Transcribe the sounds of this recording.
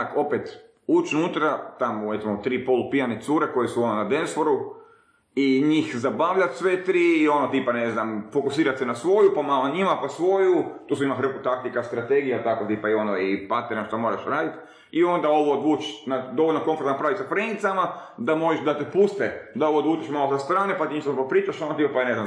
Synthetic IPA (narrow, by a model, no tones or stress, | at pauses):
ako̞pet̪ | ut͡ʃnut̪ɾat̪amoɾet̪mot̪ɾiːpo̞lupianet̪suːɾeko̞jesuononad̪ensfoɾu | iɲiːxzabaʋʎat̪sʋet̪ɾiːo̞not̪iːpaneznamfokusiːɾat̪senasʋo̞jupamaloɲimapasʋo̞jut̪usuimaxɾr̩kut̪ak̚t̪ikast̪ɾat̪eɡijat̪akot̪ipaio̞noipat̪eɾaʃt̪omo̞ɾaʃɾaːd̪it̪ | io̞nd̪ao̞ʋod̪ʋuːt͡ʃnad̪o̞ʋoʎnako̞nfoɾt̪napɾaʋisapɾenit̪samad̪amo̞ʒeʃd̪at̪epust̪ed̪aoʋod̪ʋuːt͡ʃeʃmalosast̪ɾaːnepat̪iɲiʃt̪apapɾiːt͡ʃaʃonot̪ipapanezna